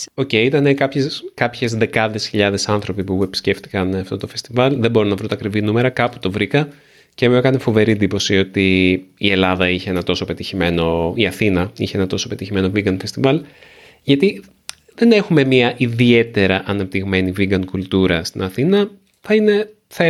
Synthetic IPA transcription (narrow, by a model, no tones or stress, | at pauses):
o̞ce̞it̪ɐnekɐpçeskɐpçe̞zðe̞kɐðe̞sçiʎɐðe̞sɐnθɾo̞pipuuepi̥sce̞ft̪i̥kɐnɐft̪o̞t̪o̞fe̞st̪ivɐlðebo̞ɾunɐvɾunt̪ɐkɾivinume̞ɾɐkɐpu̥t̪o̞vɾikɐ | cemokɐnefo̞ve̞ɾind̪ipo̞sio̞t̪iːe̞lɐðɐiçeenɐt̪o̞so̞pe̞t̪içime̞no̞iɐθinɐiçeenɐt̪o̞so̞pe̞t̪içime̞noviɡɐnfe̞st̪ivɐl | ʝɐt̪i | ðe̞ne̞xume̞miɐʔiðie̞t̪e̞ɾɐʔɐnɐp̚t̪iɣme̞niviɡɐnkult̪uɾɐst̪inɐθinɐ | θɐine̞ | θe